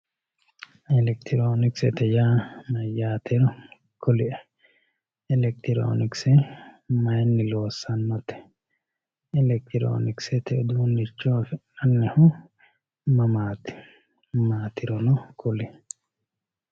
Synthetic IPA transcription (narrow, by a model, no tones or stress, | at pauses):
ɛlɛkt̪ʰɪɾoːnɪksɛt̪ɛjaːnɐjːaːt̪ɪɾɔ | kʊlɪʔɛ | ɛlɛk̚t̪ɪɾo̰ːnɪksɛmɐjnːɪloːsːɐnːɔt̪ːɛ̥ | ɛlɛk̚t̪ɪɾo̰ːnɪksɛt̪ɛd̪uːnːɪt͡ʃːoːfɪʔɐnːɛhʊ | mɐmaːt̪ | maːt̪ɪɾɔnɔkʊlɪʔ